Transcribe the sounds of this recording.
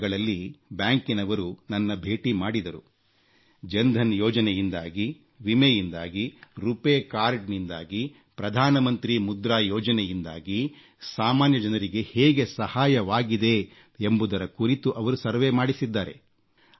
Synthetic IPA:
ɡɐɭɐlːibjaːŋkinɐʋɐɾunɐnːɐbʱe̞ːʈimaːɽid̪ɐɾu | d͡ʒɐnd̪ʱɐnjɔːd͡ʒɐnɛjind̪aːɡi | ʋimejind̪aːɡiɾupeːkaːɾɖnind̪aːɡi | pɾɐd̪ʱaːnɐmɐnt̪ɾimud̪ɾaːjɔːd͡ʒɐnɛjind̪a̰ːɡi | saːmaːnjɐd͡ʒɐnɐɾiɡe̞heːɡe̞sɐhaːjɐʋaːɡid̪e̞ | embud̪ɐɾɐkuɾit̪uʔɐʋɐɾusɐɾʋemaːɽisid̪ːaːɾe̞

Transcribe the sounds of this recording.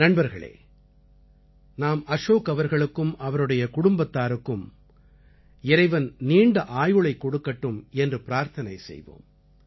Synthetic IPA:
nɐɳbɐɾɣɐɭḛː | naːmɐʂoːkɐʋɐɾɣɐɭɯkːɯmɐʋɐɾɯɽɐjɐkʊɽʊmbɐt̪ːaːɾɯkːɯm | ɪɾɐɪʋɐnniːɳɖɐʔaːjɯɭɐɪkːɔɽɯkːɐʈːɯmɛndrɯpɪɾaːɾt̪ʰɐnɐɪsɛ̰jʋo̰ːm

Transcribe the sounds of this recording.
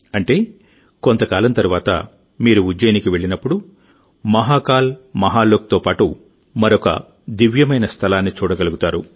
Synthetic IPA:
ɐɳʈe̞ː | kont̪ɐkaːlɐmt̪ɐɾuʋaːt̪ɐ̰ | miːɾuud͡ʒɐjnikiʋe̞ɭːinɐpːuɽu | mɐɦaːkaːlmɐɦaːloːk̚t̪oːpaːʈu | mɐɾokɐ̰ | d̪iʋjɐmɐjnɐst̪ʰɐlaːnːit͡ʃuːɽɐɡɐluɡut̪aːɾu

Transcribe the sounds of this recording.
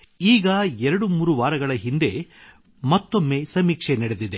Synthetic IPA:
iːɡɐɛɾɐɽumuːɾuʋaːɾɐɡɐɭɐɦind̪e̞ | mɐt̪ːo̞mːe̞sɐmiːkʂenɛɽed̪id̪e

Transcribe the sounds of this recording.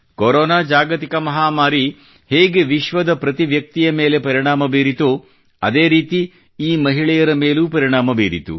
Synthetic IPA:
koɾoːnaːd͡ʒaːɡɐt̪ikɐmɐɦaːmaːɾi | heːɡeʋiʃʋɐd̪ɐpɾɐt̪iʋjɐk̚t̪ijɐmeːle̞pɐɾiɳaːmɐbeːɾit̪u | ɐ̰d̪eːɾiːt̪i | iːmɐɦiɭɛjɐɾɐmeːluːpɐɾiɳaːmɐbeːɾḭt̪ṵ

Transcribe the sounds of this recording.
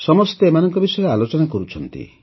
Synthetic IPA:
sɔmɔst̪eemanɔŋkɔbisɔeɾealot͡ʃɔnakɔɾut͡ʃʰɔnt̪ḭ

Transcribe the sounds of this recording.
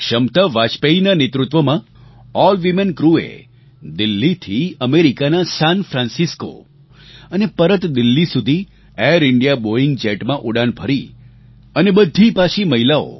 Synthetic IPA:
kʃəmt̪əʋat͡ʃpeinanet̪ɾut̪ʋəmã | ɔlʋimenkɾuḛ | d̪ɪlːit̪ʰiəmeɾikanasanfɾãnsisko̰ | ənepəɾət̪d̪ɪlːisud̪ʱi | eɾɪɳɖijaboiŋɡd͡ʒeʈmãʔuɽanbʱəɾi | ənebəd̪ʱːipaʃʰiməɦilao̰

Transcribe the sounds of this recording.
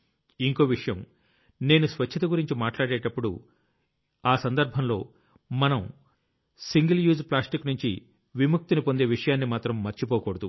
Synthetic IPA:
iŋko̞ːʋiʂɐjɐm | ne̞ːnusʋɐt͡ʃʰɐt̪ɐɡuɾiɲt͡ʃimaːʈlaːɽeːʈɐpːuɽṵ | aːsɐnd̪ɐɾbʱɐmlo̞ː | mɐnɐm | siŋɡɐljuːzplaːsʈiknuɲt͡ʃḭ | ʋimuk̚t̪unipo̞nd̪e̞ːʋiʂɐjaːnːimaːt̪ɾɐmːɐɾt͡ʃipɔːkɔːɽɐd̪u

